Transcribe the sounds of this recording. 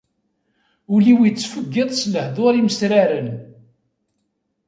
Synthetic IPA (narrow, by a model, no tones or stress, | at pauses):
ʊliwit͡sːfəɡːɪðˤsləhðˤoɾiməsɾaɾən